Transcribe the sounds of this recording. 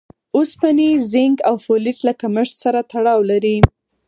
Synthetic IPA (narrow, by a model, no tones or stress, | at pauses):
ospanizɪŋɡawfolɪslakamɪʂsaɾat̪aɽɑwlaɾi